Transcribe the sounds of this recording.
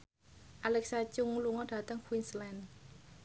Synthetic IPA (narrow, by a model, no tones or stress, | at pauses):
ʔalɛk̚sat͡ʃʊŋluŋɔɖ̥ä̤t̪əŋkwinslɛn